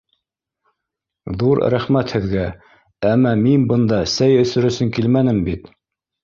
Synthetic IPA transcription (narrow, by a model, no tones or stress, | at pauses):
ðuɾ̰ɾæχmæt̪hɘ̆ðɡæ | æmːæminbɤ̆nd̪ɑsæjɵ̆θɵ̆ɾɘ̆sɵŋkilmænɘmbit̪